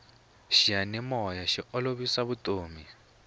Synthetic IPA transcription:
ʃijanɛmɔjaʃiɔloβisaβutʼoːmi

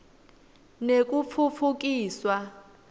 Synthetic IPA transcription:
nek̬ʼup̪fʰufʰuk̬ʼiːswa

